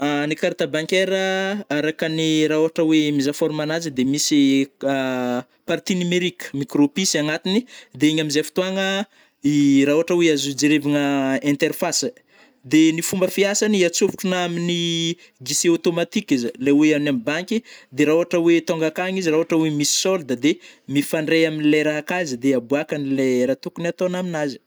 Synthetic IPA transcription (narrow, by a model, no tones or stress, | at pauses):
anikaɾat̪abaŋkeɾəaɾakəniɾauaʈ͡ʂəwemizafoɾumanazid̪emisi | paɾt̪inimeɾikə̥mikropisiaŋat̪inid̪eeɲaminzefi̥t̪uaŋə | iɾauɦaʈ͡ʂəweazud͡ʒiɾeviŋəɛ̃nt̪erfas | d̪enifumbəfiasaniat͡sufu̥ʈ͡ʂunamini | ɡiseot̪omat̪ikizəleweanamibaŋkʲid̪eɾauɦaʈ͡ʂəwet̪oŋɡakaŋiziɾauaʈ͡ʂəwemisi̥sold̪ad̪emifaɳɖ͡ʐejaminileɾaɦakazid̪eabuakanileɾat̪ukunat̪onaminazi̥